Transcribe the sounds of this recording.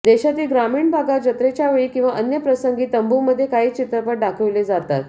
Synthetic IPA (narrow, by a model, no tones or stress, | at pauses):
d̪eɕat̪iːlɡɾamiːɳbʱaɡad͡ʑət̪ɾet͡ɕjaʋeɭiːkĩw̃ʋaʔənjəpɾəsəŋɡiːt̪əmbuməd̪ʱːjekaɦiːt͡ɕit̪ɾəpəʈ̚ɖakʰəʋled͡zat̪a̰t̪